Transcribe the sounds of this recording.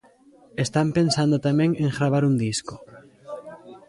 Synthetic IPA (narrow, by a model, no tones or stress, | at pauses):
est̪ampensand̪ot̪amẽŋeŋɣɾaβ̞aɾund̪isko̥